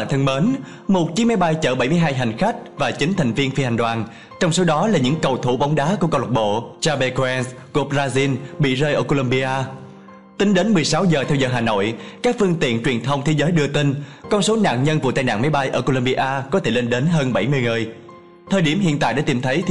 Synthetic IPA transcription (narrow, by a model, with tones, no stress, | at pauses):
nt̪ʰə˧ŋməː˨˦n | mo˨˩t̚t͡ɕi˨˦ma˨˦jɓa˧jt͡ɕəː˧˩ɓa˧˩jmɨ˧əjɦaː˧jɦa˨˩jŋ̟xa˦˥k̟̚vaː˨˩t͡ɕï˨˦ŋ̟t̪ʰa˨˩ŋ̟vi˧ənfi˧ha˨˩jŋ̟ɗwaː˨˩n | t͡ɕɔ˧wŋ͡mso˨˦ɗɔ˨˦laː˨˩ɲɨ̰˧˥ŋkə˨˩wt̪ʰu˧˩ɓa˨˦wŋ͡mɗaː˨˦ku˧˩kɔ˧wlə˨˩ɓo̰˧˨t͡ɕaː˧ɓe˧ko˧ɛ˧nsku˧˩p̚zaː˧zi˧nɓḭ˧˨zəː˧jʔəː˧˩ko˧lə˧mɓi˧ʔaː˧ | t̪ï˨˦ŋ̟ɗe˨˦nmɨ˨˩əjsa˨˦wzəː˨˩t̪ʰɛ˧wzəː˨˩ɦaː˨˩no̰˧˨jkaː˦˥k̚fɨ˧əŋt̪ḭ˧˨ənt͡ɕwi˨˩ənt̪ʰə˧wŋ͡mt̪ʰe˨˦zəː˨˦jɗɨ˧ət̪i˧ŋ̟kɔ˧nso˨˦na̰ː˧˨nɲə˧nvṵ˧˨t̪aː˧jna̰ː˧˨ma˨˦jɓa˧jʔəː˧˩ko˧lə˧mɓi˧ʔaː˧kɔ˨˦t̪ʰe˧˩le˧nɗe˨˦nɦəː˧nɓa˧˩jmɨ˧əjŋɨ˨˩əj | t̪ʰəː˨˩jɗi˧˩əmɦḭ˧˨ənt̪a̰ː˧˨jɗa̰ː˧˥t̪i˧˩mt̪ʰə˨˦j